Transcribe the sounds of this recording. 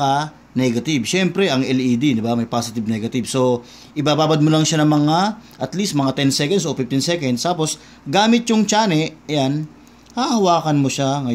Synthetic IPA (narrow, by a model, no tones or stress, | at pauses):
a | nɛɡɐt̪ɪbʃɛmpɾɛʔɐŋʔɛlid̪id̪ɪbamɐjpaːsɪt̪ɪb̚nɛɡɐt̪ɪbso̞ | ʔɪbaːbaːbɐd̪̚molɐŋʃanɐŋmɐŋaʔɐt̪list̪̚mɐŋat̪ɛnsɛkɐnd̪sʔofɪft̪insɛkɐnd̪st̪aːpo̞s | ɡaːmɪt̪̚ɲʊŋt͡ʃaːnɛʔjan | haːhɐwaːkɐnmoʃaŋɐj